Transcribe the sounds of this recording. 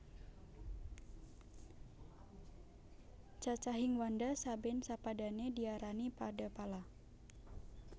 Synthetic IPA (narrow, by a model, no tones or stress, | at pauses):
t͡ʃat͡ʃaɦiŋwandasabɛnsapadanediaɾanipadapala